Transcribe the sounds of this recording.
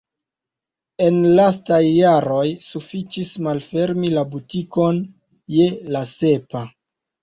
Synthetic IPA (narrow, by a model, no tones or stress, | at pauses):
e̞nlastajːaɾo̞jsufit͡ʃismalfe̞ɾmilabutikon | je̞lase̞pa